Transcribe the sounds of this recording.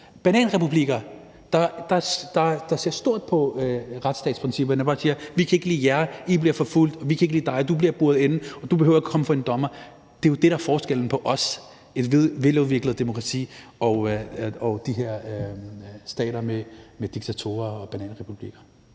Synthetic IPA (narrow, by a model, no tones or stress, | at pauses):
b̥ænɛ̰ːnʁɛpʰub̥liɡ̥ɐ | d̥ɑ̈d̥ɑ̈d̥ɑ̈d̥ɑ̈se̝ɐsd̥o̝ɐ̰d̥̚pʰɒ̽ʁad̥sd̥ɛ̰ːd̥spʁɛnsib̥ɐnbɑ̈siːɐʋikʰæe̝ɡ̥əlḭːjæɐib̥liɐfɒ̽ful̰d̥ɒʋikʰæe̝ɡ̥əlḭːd̥ɑ̈ɪd̥ub̥liɐb̥uɐðˠenn̩ɒ̽d̥ub̥e̝hø̰ʊɐækʰɒ̽məfɑe̝nd̥ɒ̽mɐ | d̥e̝jo̝d̥e̝ɾ̥æɐfɒːsɡ̥el̰n̩pʰɒ̽ʔɒ̽s | e̝d̥ʋeʋe̝loʋeɐɡ̥ləðˠd̥emo̝kʰʁɑ̈t͡sʰḭːɒɒd̥iɦe̝ɐ̰ | sd̥ɛ̰ːɾɐmemed̥iɡ̥̚t͡sʰæt͡sʰo̝̰ːɐɒ̽b̥ænɛ̰ːnʁɛpʰub̥lḭɡ̥ɐ